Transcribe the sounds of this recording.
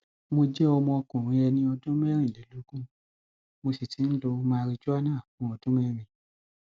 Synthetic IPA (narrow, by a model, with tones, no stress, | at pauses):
mo˧d͡ʒɛ˦ɔ˧mɔ̃˧kũ˨ɾ̃ĩ˧˦ɛ˧nĩ˧ɔ˧dũ˦mɛ˦ɾ̃ĩ˦˨le˨˦lu˨˦ɡũ˦ | mo˧si˨ti˨˦n̩˦lo˧mãː˧˦˧ɾi˧d͡ʒu˦a˦nãː˦˨fũ˨˦ɔ˧dũ˦mɛ˦ɾ̃ĩ˧˨